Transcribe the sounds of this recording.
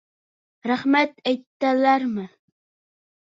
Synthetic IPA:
ɾɑhmat̪ajt̪ːalaɾmɪ

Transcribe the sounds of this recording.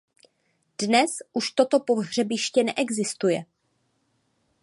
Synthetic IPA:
d̥nɛsʔuʃt̪o̞t̪o̞poɦr̝ɛbɪʃcɛnɛʔɛɡzɪst̪ujɛ

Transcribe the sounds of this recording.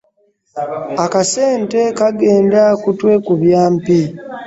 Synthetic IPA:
akase̞ːnte̞kaɡeːndakutwe̞kuβjaːmpi

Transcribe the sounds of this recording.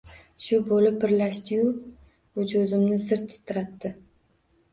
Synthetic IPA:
ʃʊbolɪpʰːɪɾlaʃt̪ɪjʊ | ʊd͡ʒud̪ɪmnɪsɪɾt̪ʰːɪ̥t̪ʰːɪɾat̪ːɪ

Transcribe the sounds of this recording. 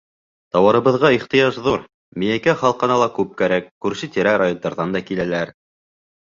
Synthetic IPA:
t̪ɑwɑɾɤ̆βɤ̆ðʁɑiχt̪ɤ̆jɑʃðuɾ | mĭjæjkæχɑlˠqɑ̆nɑlˠɑkʉp̚kæɾækːʉɾsɘt̪iɾæɾajond̪ɑɾðɑnd̪ɑkilælæɾ

